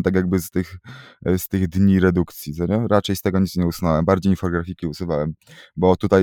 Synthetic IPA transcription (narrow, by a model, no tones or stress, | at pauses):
t̪akʲjaɡ̚bɘst̪ɘxst̪ɘɣd̪ɲiɾɛd̪ukt̪sʲjizaɲɛɾat͡ʂɛjst̪ɛɡɔɲit̪ɲɛusnawɛmbaɾd͡ʑejɲifɔt̪ɔɡɾafʲikʲiusuvawɛmbɔt̪ut̪aj